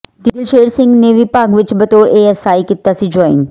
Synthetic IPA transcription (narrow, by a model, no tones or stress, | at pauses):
d̪ɪd̪ɪlʃeːɾsɪ̃ŋɡneʋɪpaːɡʋɪt͡ʃbɐt̪oːɾeːɐsaːikit̪asɪd͡ʒɔːɪ̰̃ŋ